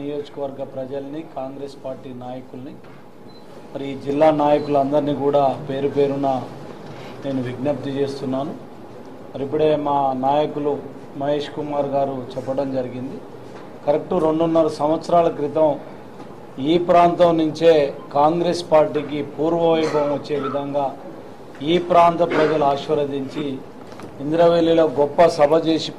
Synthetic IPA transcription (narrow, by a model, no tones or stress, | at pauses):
ijo̞ːd͡ʒɐkɐʋɐɾɡɐpɾɐd͡ʒɐlɐnikaːŋɡɾe̞ːspaːɾʈiːnaːjɐkulɐni | mɐɾiiːd͡ʒilːaːnaːjɐkuluɐnd̪ɐɾniːkuːɽaːpe̞ːɾupe̞ːɾunaː | ne̞ːnuʋiɡnɐp̚t̪it͡ʃe̞ːst̪unːaːnu | mɐɾipːuɽe̞ːmaːnaːjɐkulu | mɐɦe̞ːʂkumaːɾɡaːɾut͡ʃɛpːɐɽɐmd͡ʒɐɾiɡind̪i | kɐɾek̚ʈuɾo̞ɳɖunːɐɾɐsɐm̃ʋɐt̪sɐɾaːlɐkɾit̪ɐm | iːpɾaːnt̪ɐmnuɲt͡ʃeːkaːŋɡɾeːspaːɾʈiːk̬ipuːɾʋɐʋɐjbɐmʋɐt͡ʃːe̞ːʋid̪ʱɐŋɡaː | iːpɾaːnt̪ɐpɾɐd͡ʒɐluaːʂʋɐɾɐd̪iɲt͡ʃiː | nd̪ɾɐʋeːlːiloːɡɔpːɐsɐbʱɐt͡ʃeːsi